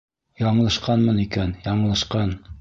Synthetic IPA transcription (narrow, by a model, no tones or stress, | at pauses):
jɑɴɤlˠɤ̆ʃqɑnmɤnikænjɑɴɤ̆lˠɤ̆ʃqɑn